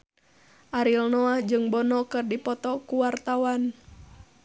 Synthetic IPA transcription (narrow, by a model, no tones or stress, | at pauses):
ʔaɾilnɔahd͡ʒɨŋbɔnɔkɨrdipɔt̪ɔkuwart̪awan